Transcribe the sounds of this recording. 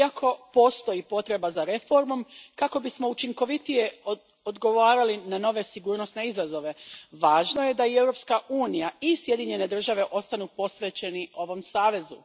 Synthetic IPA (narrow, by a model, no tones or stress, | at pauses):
akʰo̞po̞ːst̪o̞jipo̞t̪ɾe̞bazaɾe̞fo̞ɾmo̞mkako̞bismo̞ut͡ʃiŋko̞ʋit̪ije̞ | od̪ɡo̞ʋaːɾalinano̞ʋe̞siɡuːɾno̞sne̞izazo̞ʋe̞ʋaːʒno̞je̞d̪aie̞wɾo̞pskaʔuːnijaisje̞d̪iɲe̞ne̞d̪r̩ʒaʋe̞ʔo̞st̪anupo̞sʋe̞t͡ɕe̞niʔo̞ʋo̞msaːʋe̞zu